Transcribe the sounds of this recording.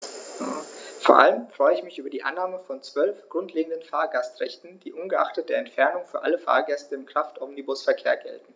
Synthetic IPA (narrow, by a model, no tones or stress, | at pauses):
foːɐʔa̰ləmfʁ̥ɔʏəɪçmɪçʔyːbɐdiːʔa̰nːaːməfɔnt͡sv̥œlfɡ̥ʁʊntleːɡŋ̩dənfaːɐɡastʁɛçtn̩d̥iːʔʊnɡəʔa̰χtət̚d̥eːɐɛntfɛɐnʊŋfyːɐʔaləfa̰ːɐɡɛstəɪmkʁ̥aftʔɔmnibʊsfɛɐkʰeːɐɡɛ̰ltn̩